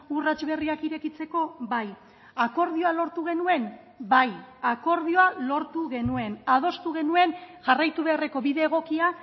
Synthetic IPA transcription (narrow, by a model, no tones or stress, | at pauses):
urat͡ʃβe̞riakiɾe̞kit͡se̞ko̞βaj | ako̞ɾðio̞alo̞ɾt̪uɣ̞e̞nue̞n | bajako̞ɾðio̞alo̞ɾt̪uɣe̞nue̞nað̞o̞st̪uɣ̞e̞nue̞nʝarajt̪uβe̞are̞ko̞βiðe̞ːɣ̞o̞kia